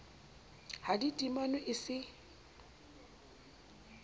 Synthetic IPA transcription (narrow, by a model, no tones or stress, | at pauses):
haditʼimanʊʔɪsɪ